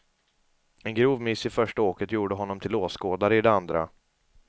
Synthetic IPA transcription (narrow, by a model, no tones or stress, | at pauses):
ɛnɡɾuːvmɪsːɪfœʂʈaoːkət̪juːɖəɦɔnːɔmt̪ʰɪloːskoːd̪aɾəɪd̪ɛand̪ɾa̰